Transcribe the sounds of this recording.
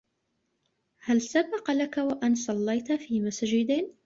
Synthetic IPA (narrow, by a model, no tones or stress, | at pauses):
halsabɑqɑlakawaʔansˤɑlːɑjt̪afiːmasaːd͡ʒɪd̪ɪn